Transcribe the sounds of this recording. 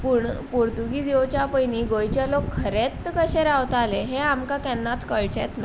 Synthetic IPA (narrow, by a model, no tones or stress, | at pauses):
puɳpuɾt̪uɡid͡zewt͡ɕjapəjniɡojt͡ɕjalokʰːəɾet̪ːkəɕeɾawt̪aleɦeamkakɛnːat̪kəɭt͡ɕɛ̰t̪na